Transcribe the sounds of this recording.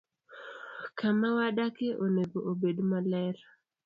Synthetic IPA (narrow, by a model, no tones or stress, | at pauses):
kamawaɗakeʔoneɡoʔobedmalɛɾa